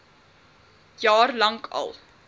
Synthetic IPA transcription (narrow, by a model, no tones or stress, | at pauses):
jɑːrlɐŋkʰɐ̰lˠ